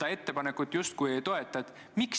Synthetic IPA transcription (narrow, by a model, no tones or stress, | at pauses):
ɑe̞t̪ːe̞pɑne̞kut̪ːˑjust̪̚kuje̞jt̪o̞e̞t̪ːˑɑet̪ːˑ | miks